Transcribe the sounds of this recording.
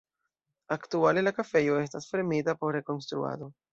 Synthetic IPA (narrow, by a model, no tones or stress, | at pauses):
aktuale̞lakafe̞jo̞e̞stasfeemitapo̞ɾːe̞ko̞nstɾṵa̰do̞